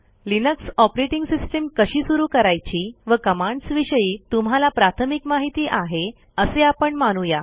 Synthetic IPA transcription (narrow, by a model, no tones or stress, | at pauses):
linəksɔpɾeʈiŋɡsisʈemkəɕiːsuɾuːkəɾajt͡ɕiːʋəkəmãɳɖsʋiɕəjiːt̪um̤ɦalapɾat̪ʰəmikmaɦit̪iːʔaɦe | əseapəɳmaɽ̃uja